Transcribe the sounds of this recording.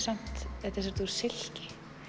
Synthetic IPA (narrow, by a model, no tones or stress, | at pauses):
san̥t̪ɛt̪ɛs̬aɾt̪uɾ̥sɪl̥cɪ̥